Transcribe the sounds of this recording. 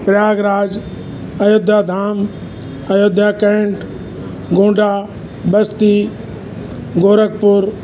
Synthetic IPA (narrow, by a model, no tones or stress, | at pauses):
pɾjaːɡɾaːd͡ʒ | ɐjod̪ʱjad̪ʱaːm | ɐjod̪ʱjakẽɳʈ | ɡõːɳɖaː | bɐst̪i | ɡoːɾək̚pʊɾ